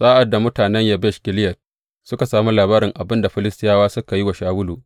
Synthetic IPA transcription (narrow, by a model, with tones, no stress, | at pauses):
sʼaː˦ʔa˨dːa˨mʊ˦taː˨nɛ˦ɲja˦bɛ˦ʃkʲɪ˨lɪ˦jɐ˨t̚ | sʊ˦ka˨saː˨mu˦laː˨baː˦ɾɪ˨ŋʔa˨bɪ˦nda˨ɸɪ˦lɪ˦stɪ˦jaː˦waː˦sʊ˦ka˨ji˦wa˨ʃaː˦wʊ˦luː˨ʔ